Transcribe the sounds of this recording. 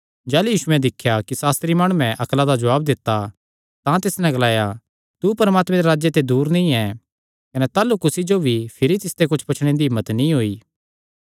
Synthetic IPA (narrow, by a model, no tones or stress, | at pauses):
d͡ʒɛːlujiːʃʊɛ̃d̪ɪkʰːjakisaːst̪ɾimaːɽ̃uɛ̃ʔɐklad̪ad͡ʒɐʋaːb̚d̪ɪt̪ːa | t̪ãt̪ɪsnɛ̃ɡɐlaːja | t̪upɐɾmaːt̪mẽd̪eɾaːd͡ʒjet̪ed̪uːɾnĩɛ | kɐnɛt̪aːlukʊsid͡ʒobʱipʰɪɾit̪ɪst̪ekʊt͡ʃʰpɐt͡ʃʰɽ̃ẽd̪iɦɪmːət̪nĩɦoːiː